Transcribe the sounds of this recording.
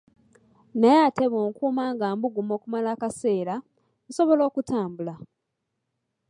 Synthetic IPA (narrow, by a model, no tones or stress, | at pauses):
najaːteβoːŋkuːmaːŋɡaːmbuɡumo̞ːkumalaːkase̞ːɾa | so̞βo̞lo̞ːkutʰaːmbula